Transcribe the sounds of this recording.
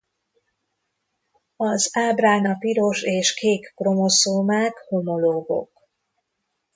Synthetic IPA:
ɒzaːbraːnɒpiɾo̞ʃeːʃkeːkːro̞mo̞soːmaːkho̞mo̞loːɡo̞̰k

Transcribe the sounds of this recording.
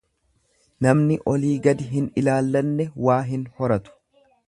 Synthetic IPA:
nɐmnɪʔɔliːɡɐd̪ɪɦɪnɪlaːlːɐnːɛwaːɦɪnhɔɾɐt̪ʊ̥

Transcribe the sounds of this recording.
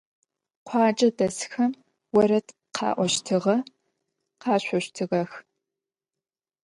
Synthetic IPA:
qʷʰɑːt͡ʃʼɐdɐsxɐm | wɔɾɐtʰ | qʰɑ̰ːʔʷɔʃtʰɨʁɐ | qɑːɕʷɔɕtʰɨʁɐx

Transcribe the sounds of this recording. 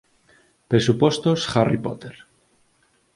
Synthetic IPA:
pɾesupost̪osxaripo̰t̪eɾ

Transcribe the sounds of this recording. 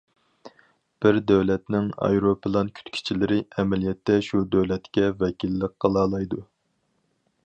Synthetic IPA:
b̥ɪɾd̪ɛwlɛt̪nɪŋɑ̰jɾopɨlˠɑnkʲʰy̥t̪kʲʰi̥t͡ʃʰilɪɾɪɛmɛlijɛt̪ːɛʃud̪øwlɛt̪kʲɛvɛkʲilːəqqːɑlˠɑːlˠɑjd̪u

